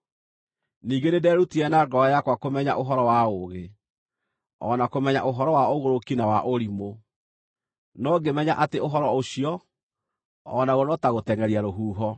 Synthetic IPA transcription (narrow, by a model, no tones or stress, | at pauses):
niːɡenedɛɾutiɛnaɡɔajakwakomɛɲa̰ʔoɦɔɾɔwaoɣe | ɔ̰nakomɛɲa̰ʔoɦɔɾɔwaoɣoɾokinawaʔoɾimo | nɔɡemɛɲaʔateoɦɔɾɔoɕiɔ | ɔnaɣonɔtaɣotɛŋɛɾiaɾoɦuːɦɔ